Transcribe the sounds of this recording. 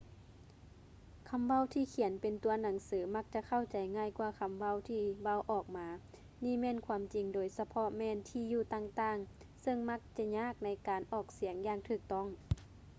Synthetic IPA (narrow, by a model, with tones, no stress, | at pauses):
kʰa˧˥˨mʋa˧˥˨wt̪ʰiː˧˩kʰi˨˩˦npe˨nt̪u˨˧ɐna˨˦ŋsɯː˨˦ma˧˥k̚t͡ɕa˧kʰa˧˥˨wt͡ɕa˨˦jŋaː˧˥˨jkwaː˧˩kʰa˧˥mʋa˧˥˨wt̪ʰiː˧˩βa˧˨wʔɔː˨˩k̚maː˨˧˦ | niː˧˩˨mɛː˧˥˨nkʰwaː˧˥mt͡ɕi˨˩ŋdoː˨˦jsa˧pʰɔ˧˥mɛː˧˥˨nt̪ʰiː˧˩juː˧˩t̪aː˧˨ŋt̪aː˧˩˨ŋ | sɤ˧˨ŋma˧˦˥k̚t͡ɕa˧˩ɲaː˧˥˨k̚na˧˥jkaː˨nʔɔː˨˩k̚si˨˩˦əŋjaː˧˨ŋt̪ʰɯː˧˩k̚t̪ɔ˧˥˩ŋ